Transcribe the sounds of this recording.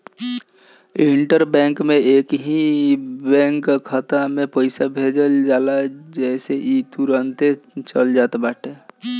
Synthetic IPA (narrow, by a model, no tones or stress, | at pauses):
iɳʈəɾbɛ̃ːŋkmẽeːkɦibɛ̃ːŋkkʰət̪amẽpəɪsabʱed͡ʒəld͡ʒaːlad͡ʒɛːseʔit̪uɾənt̪et͡ʃəld͡ʒaːt̪baːʈʰe